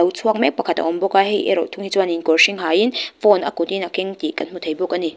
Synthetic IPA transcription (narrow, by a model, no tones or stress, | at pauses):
ɐwt͡sʰuak̚mɛk̚pakʰat̪̚a̰ɔmbɔkahejʔɛ̰ɾɔtʰʊŋhit͡swaninkɔɹʃiŋɦajinfɔnakɔt̪inakeŋt̪ikanmut̪ʰejbɔkani